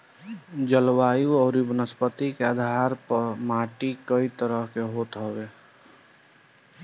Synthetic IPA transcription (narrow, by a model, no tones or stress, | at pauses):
d͡ʒəlwaːjuɔːɾibənəspət̪ikead̪ʱaɾpəmaːʈikəit̪əɾəɦkeɦoːt̪ɦəwe